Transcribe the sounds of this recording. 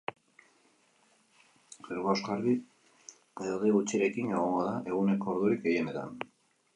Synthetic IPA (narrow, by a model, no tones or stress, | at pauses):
ɡeɾɣaozɣaɾði | eðoðiɣut͡sieɾe̞kineɣ̞o̞ŋɡo̞ð̞aʔe̞ɣ̞une̞ko̞ːɾðuɾik̚ɡe̞je̞ne̞t̪a̰n